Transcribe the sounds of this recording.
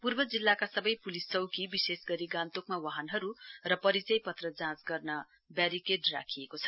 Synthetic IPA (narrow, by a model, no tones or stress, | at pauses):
purbʌd͡zilːakasʌbʌjpulist͡sʌwkibisesɡʌɾiɡãnt̪okmawaɦʌnɦʌɾurʌpʌɾit͡sʌjpʌt̪rʌd͡zãt͡sɡʌrnʌ | baɾikeɖra̰kʰijekot͡sʰʌ̥